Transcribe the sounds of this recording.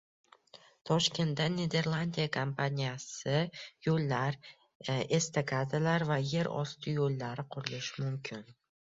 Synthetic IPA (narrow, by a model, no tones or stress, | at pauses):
t̪ʰɒʃkʲe̞nt̪ːanʲed̪e̞ɾlˠand̪ʲijakʰompʰanʲijasɪjolːaɾ | e̞st̪ʰakʰʲad̪ɪlaɾvaje̞ɾɒ̰st̪ʰɪjolːaɾɪqʰʊɾɪlɪʃmʊmkʲʰɪn